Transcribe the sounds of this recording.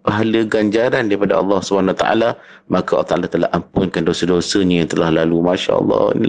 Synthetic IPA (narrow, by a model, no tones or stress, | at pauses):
paɦaləɡaɲd͡ʒaɾandaɾipadaɑ̰lːɑhsubaɦanwat̪a̰ʔa̰la | mãkaʔlːt̪aʔa̰lat̪əla̰hampʊnkandosədosəɲãjaŋt̪əlahlalumaʃa̰ʔɑ̰lˤːɑ̰nḭl